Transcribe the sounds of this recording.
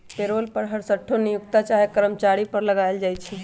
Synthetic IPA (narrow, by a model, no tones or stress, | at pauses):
peɾolpəɾɦəɾsəʈʰːonijukt̪at͡ʃaɦekəɾəmt͡ʃaɾipəɾləɡajld͡ʒajt͡ʃʰɛ